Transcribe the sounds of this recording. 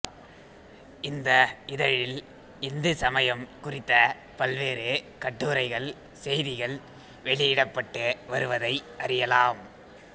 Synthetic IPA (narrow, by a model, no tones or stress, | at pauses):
ɪnd̪ɐɪðɐɻɪl | ɪnd̪ɯsɐmɐjɐmkʊrɪt̪ːɐ | pɐlʋeːɾɯ | kɐʈːɯːɾɐɪɣɐɭ | sɛjðɪɣɐɭ | ʋɛɭɪjɪɽɐpːɐʈːɯʋɐɾɯʋɐðɐɪʔɐɾɪjɐlaːm